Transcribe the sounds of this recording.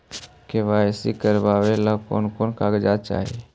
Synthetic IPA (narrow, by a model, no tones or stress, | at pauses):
keʋaesḭkəɾbaʋelako̰nkoːnkaːɡd͡ʒat͡ʃa̰ːɦḭ